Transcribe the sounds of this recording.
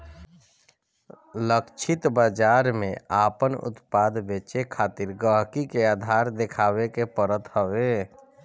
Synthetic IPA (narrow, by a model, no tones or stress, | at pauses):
ləkt͡ʃʰɪt̪bad͡ʒaːɾmẽaːpənʊ̰t̪paːd̪beːt͡ʃekʰaːt̪ɪɾɡəɦkikeaːd̪ʱaːɾd̪ɪkʰaːwekepəɾət̪həweː